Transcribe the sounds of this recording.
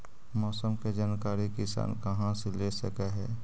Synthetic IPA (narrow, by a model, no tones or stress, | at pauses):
mɔːsəmked͡ʒaːnkaːɾikɪsa̰ːnkɐɦãsilesəkeɦɛː